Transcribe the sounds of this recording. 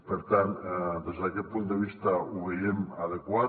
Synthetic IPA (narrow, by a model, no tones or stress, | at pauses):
peɾt̪and̪əʒakepunt̪̚d̪eβiʃt̪auβeɾemaðekua